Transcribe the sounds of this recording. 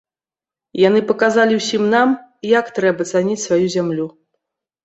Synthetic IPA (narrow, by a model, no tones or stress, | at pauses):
jan̪ɨpɐkazalʲiwsʲimnamjakt̪ɾɛbɐt̪sanʲit͡sʲsvajuzʲamlʲu